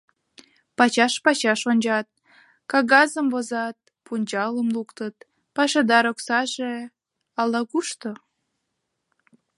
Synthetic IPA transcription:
pɑt͡ɕɑʃpɑt͡ɕɑʃonʲd͡ʑɑt̪̚ | kɑɣɑzəmvozɑt̪̚ | punʲd͡ʑɑləmlukt̪ət̪̚ | pɑʃed̪ɑɾoksɑʒe | ɑlɑkuʃt̪o

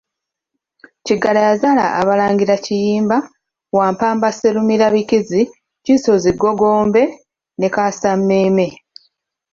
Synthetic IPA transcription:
ciɡalajazala̰ʔaβalaːŋɡiɾacijiːmba | waːmpaːmbaseɾumiɾaβikizi | ciso̞ziɡo̞ɡo̞ːmbe̞ | ne̞kaːsamːeːme̞

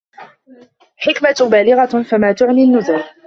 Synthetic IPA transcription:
ħɪkmabaːlɪɣafamaːt̪ʊʕninːʊzʊɾ

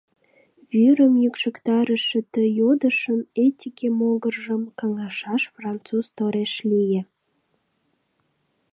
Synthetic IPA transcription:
βyɾəmjykʃəkt̪ɑɾəʃĕt̪əjod̪əʃənet̪ʲikemoɣərʒəmkɑŋɑʃɑʃfrɑnt̪t͡suzt̪oɾeʃlije

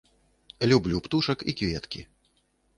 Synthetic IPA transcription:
lʲublʲupt̪uʂɐkikvʲɛt̪kʲi

